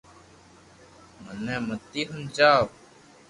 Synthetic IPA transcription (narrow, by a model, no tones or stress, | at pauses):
mənɛːmət̪iːɦənt͡ʃaːʋ